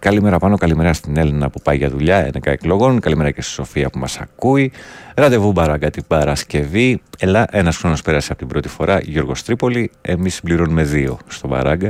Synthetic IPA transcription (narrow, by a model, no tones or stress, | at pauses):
kɐlime̞ɾɐpɐno̞kɐlime̞ɾɐst̪ine̞linɐpupɐjʝɐðuʎɐḛnekɐeklo̞ɣo̞nkɐlime̞ɾɐce̞st̪i̥so̞fiɐpumɐsɐ̰kuiɾɐt̪e̞vubɐɾɐɡɐt̪ib̥ɐɾɐsce̞vie̞lɐʔe̞nɐsxɾo̞no̞spe̞ɾɐseɐpo̞t̪ibɾo̞t̪i̥fo̞ɾɐʝoɾɣo̞st̪ɾipo̞lie̞misimbliɾo̞nume̞ðio̞̰st̪o̞bɐ̰ɾɐɡɐ